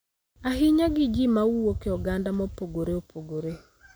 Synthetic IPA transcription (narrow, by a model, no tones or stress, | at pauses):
aɦiɲaɡid͡ʒimauokeɔɡandamopoɡoɾeopoɡoɾe